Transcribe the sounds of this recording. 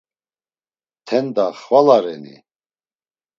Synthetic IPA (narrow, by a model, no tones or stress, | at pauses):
t̪ʰɛnd̪aχvalaɾɛnḭ